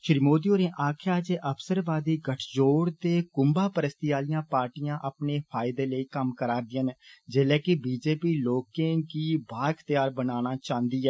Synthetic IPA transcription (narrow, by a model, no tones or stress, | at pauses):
ʃɪɾimoːd̪ioːɾẽːʔaːkʰjaːd͡ʒeːʔəpʰsəɾbaːd̪iːɡəʈʰd͡ʒoːɽt̪eːkʊmbaːpəɾəst̪ijaːlɪjãːpaːɾʈijãːʔəpneːpʰaːɪd̪eːləiːkəmkəɾaːɾd̪ɪənd͡ʒeːlɛːkɪbiːd͡ʒeːpiːloːkẽːkiːbaːɾkʰt̪jaːɾbənaːñaːt͡ʃãːnd̪iːɛː